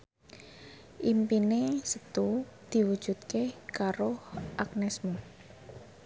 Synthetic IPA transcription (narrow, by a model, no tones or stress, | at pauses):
ʔimpinesət̪ud̪̥i̤wud̥ʒ̥ṳt̪̚kekaɾoʊhʔak̚nɛsmo